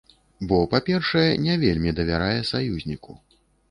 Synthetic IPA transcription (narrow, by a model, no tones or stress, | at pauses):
bɔpapʲɛrʂɐjɛnʲɛvʲelʲmʲid̪ɐvʲaɾajɛsajuzʲnʲiku